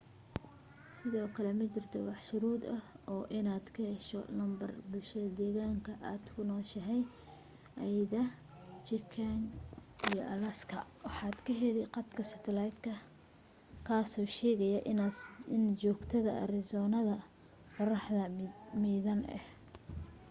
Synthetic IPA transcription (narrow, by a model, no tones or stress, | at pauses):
sɪðɔːkʰɐlɛmɐt͡ʃɪrt̪ʰɔwɑħʃʊɾuːd̪ɐhɔːʔɪnaːd̪kʰɛɛʃɔ̰lɐmbɐrbʊlʃɐðɐd̪ɛːɣaːŋkʰɐʔaːd̪̥kʰʊnɔːʃɐɦɛj | ʔɐjðɐ | t͡ʃɪkʰaŋijɔ̰ʔɐlɐskʰɐ̰wɑħɑːd̪kʰɐɦɛlɪqɑt̪kʰɐsɐt̪ʰɛlɑjd̪kʰɐ | kʰaːsɔːʃɛːɣɐjɐʔɪɪnt͡ʃɔːɡt̪ʰɐðɐɐ̰rɪsɔːnɐðɐ | qɑrɑħðɐmiːðɐnɛ̰h